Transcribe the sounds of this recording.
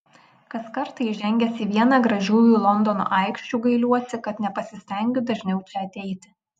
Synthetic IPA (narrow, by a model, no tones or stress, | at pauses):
kɐskɐɾt̪ɐɪʒʲɛŋʲɡʲɛsʲiʋʲiɛnɑːɡɾɐʒʲuːjuːlˠɔnd̪ɔno̰ːʔɐɪkʃʲt͡ʃʲuːɡɐɪlʲuɔsʲɪkɐt̪nʲɛpɐsʲɪsʲt̪ʲɛŋʲɡʲʊd̪ɐʒʲnʲɛʊt͡ʃʲɛɐt̪ʲɛɪt̪ʲɪ̥